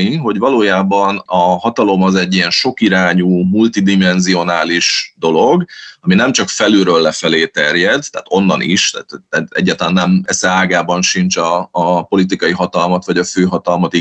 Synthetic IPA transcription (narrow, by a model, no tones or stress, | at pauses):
iɦo̞ɟvɒloːjaːbɒnɒɦɒt̪ɒlo̞mɒzɛɟːijɛnʃo̞kiɾaːɲuːmult̪id̪imɛnzio̞naːliʃd̪o̞lo̞ɡɒminɛmt͡ʃɒkfɛlyɾølːɛfɛleːt̪ɛrjɛd̪t̪ːa̰ːt̪o̞nːɒnʔḭʃt̪a̰ːt̪ɛɛ̰ɟːaːt̪ɒlaːnːɛmɛsɛaːɡaːbɒnʃint͡ʃɒːpo̞lit̪̬ikɒjiɦɒt̪ɒlmɒt̪ʋɒɟɒføːɦɒt̪ɒlmɒt̪i